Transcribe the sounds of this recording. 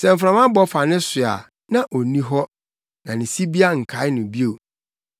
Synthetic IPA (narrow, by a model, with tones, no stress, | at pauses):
sɛ˨m̩˨fɾã˨mã˦bɔ˦fa˨nɪ̃˦sʊ˨a̰˨ | nã˦ʔo˨nĩ˦ɦɔ˦ | nã˨nɪ̃˨si˦bi˦a˦ŋ̩˨kʰa˨˦ɪ˦nʊ̃˨bi˦o˨